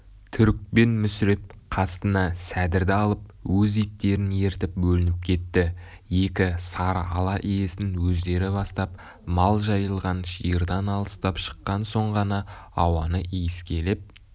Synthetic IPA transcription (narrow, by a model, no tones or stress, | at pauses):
t̪ʰʏɾk̚pe̞nmʏsɾep̚qʰɑst̪ənɑsæd̪ɪɾd̪ɪɑlˠəp̚wɵzijt̪ːe̞ɾɪne̞ɾt̪ɪp̚bɵlɪnɪp̚kʲʰe̞t̪ːɪ | je̞kʲɪsɑɾɑ̰lˠɑʔije̞sɪnwɵzd̪e̞ɾɪbɑst̪ɑp | mɑlˠʒɑjəlˠʁɑnʃijəɾd̪ɑnɑlˠəst̪ɑpʃə̥qːɑnso̞ɴʁɑnɑɑwɑnəʔijɪskʲe̞lep̚